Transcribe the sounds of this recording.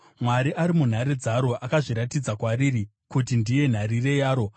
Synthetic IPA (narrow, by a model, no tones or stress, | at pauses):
mwaɾiʔaɾimun̤aɾed͡zaɾo̞ʔakaʐiɾatid͡zakwaɾiri | kutindije̞n̤aɾire̞jaːɾo̞